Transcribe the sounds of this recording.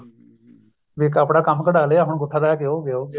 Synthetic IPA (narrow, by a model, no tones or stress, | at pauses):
ʋikəpɽaːkəmːkəɖaːleːaːɦʊɳɡʊʈʰːaːd̪aːaːkeoːɡeoː